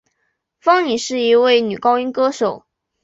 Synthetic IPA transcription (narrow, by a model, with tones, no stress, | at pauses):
fɑ˥ŋni˨˩ʂɻ̩˥˩i˧˥we˥˩ɪny˨˩kɑ˥ʊy˥ŋkɤ˥ʂo˨˩˦ʊ